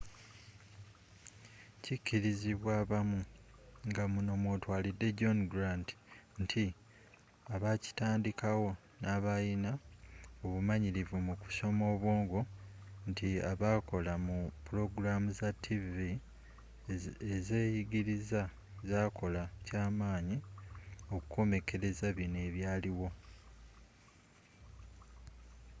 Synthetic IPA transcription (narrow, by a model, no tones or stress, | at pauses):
cicːiɾiziβwaːβamuŋɡamuno̞mwo̞ːtwaːlidːe̞ɟo̞nɡuɾandi̥ntʰi | aβaci̥taːndikawo̞ | naːβajinaoβumaɲiɾivumuku̥so̞mo̞ːβwo̞ːŋɡo̞ntiaβaːko̞lamupuɾo̞ɡuɾamuzatʰːivi | ezeːjiɡiɾiza | zaːkʰo̞lacaːmaːɲi | o̞kuko̞me̞ke̞ɾe̞zaβine̞ːβjaːliwo̞